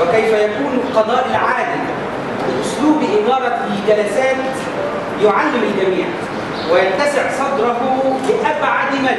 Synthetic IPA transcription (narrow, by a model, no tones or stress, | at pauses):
ɪkæjfæjækuːnqɑd̪ˤɑːʔɪlʕaːd̪ɪm | lɪlʔʊsluːbʔɪɡɑːɾˤɑ | d͡ʒælæsaːt̪ | jʊʕalːɪmɪlɡæmiːʕ | wɪjant̪æsɪʕsˤɑd̪ɾˤɑɦʊbɪʔabʕad̪ɪma